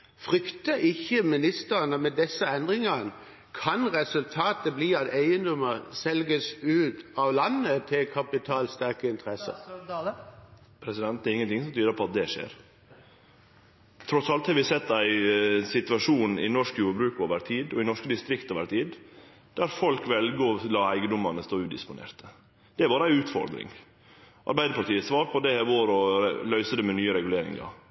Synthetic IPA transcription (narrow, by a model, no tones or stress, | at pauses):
fʁʏkt̪əʔɪçːəmɪnɪst̪əʁənəmɛd̪ɛsːəɛnd̪ʁɪŋɑn | kʰɑnʁɛsʉlt̪ʰɑːt̪əbliːɑt̪ʰeɪənd̪ɔməsɛlɡəsʉːt̪ɑʋlɑnːət̪ʰɪlkʰɑpɪt̪ʰɑːlst̪æʁkəɪnt̪ʰəʁɛsə̰ | pʰɾɛsɪd̪ɛnt̪̚d̪ɛɾɪŋːənt̪ɪŋsɔmt̪ʰyːd̪əɾpʰɔɑt̪̚d̪ɛʂḛːɾ | t̪ʰɾɔsɑlt̪hɑɾʋɪsɛt̪ːæɪsɪt̪ʉɑʂuːnɪ̰nɔʂkjuːɾbɾʉːkoːʋəɾt̪ʰiːd̪ɔɪnɔʂkəd̪ɪst̪ɾɪkt̪ɔːʋəɾt̪ʰiːd̪ | d̪̥æɾfɔlkʋɛlɡəɔlɑːæɪɡəd̪ɔmːɑnəst̪oːʉːd̪ɪ̰spʊnḛːɾt̪ə̥ | d̪̥ɛæɾbɑːɾəæɪʉːt̪fɔ̰ɾd̪ɾɪ̰ŋ | ʔɑ̰ɾbæɪd̪əpɑɾʈ̪ʰiːəsʋɑːɾpʰɔd̪ɛɛʋoːɾɔlœʏsəd̪ɛmɛnyːəɾɛɡʉleːɾɪ̰ŋɑ̰ɾ